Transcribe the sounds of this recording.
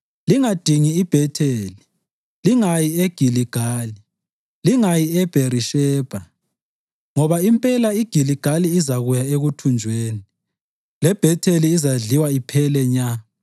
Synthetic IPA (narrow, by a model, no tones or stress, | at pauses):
liŋad̥ʱiŋiːb̥ʱɛtʰeːli | liŋajieɡ̥ʱiliɡ̥ʱaːli | liŋajiɛb̥ʱeɾiʃɛːb̥ʱa | ŋɔβaimpʼɛlaiɡ̥ʱiliɡ̥ʱaliːzaɣujaeɣutʰund͡ʒʱweːni | lɛb̥ʱɛtʰeliːzaɮiwaipʰɛlɛɲa